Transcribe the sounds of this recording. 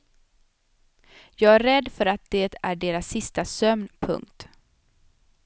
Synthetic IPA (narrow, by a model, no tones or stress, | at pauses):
jɑːɡæɾɛd̪ːfœɾat̪̚d̪eːt̪ʰæɖeːɾasːɪst̪asœmnpʰɵ̰ŋkt̪